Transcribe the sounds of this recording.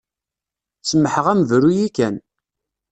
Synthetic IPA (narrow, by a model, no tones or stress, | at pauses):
səmːəħəʁæməvɾujikæn